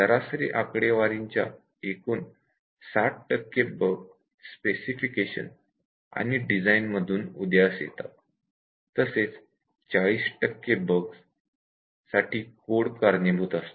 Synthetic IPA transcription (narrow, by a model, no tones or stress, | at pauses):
d̪əɾasɾḭʔakɽeʋaɾiɲt͡ɕja̰ | ekuːn | saʈ̚ʈəkːebəɡ | spesifikeɕə̰n | a̰ñiɖid͡zainməd̪ʱuːnud̪jasjḛt̪a̰ | t̪əset͡s | t͡ɕaɭiːsʈəkːebəɡs | saʈʰiːkoɽkaɾnebʱut̪ast̪o̥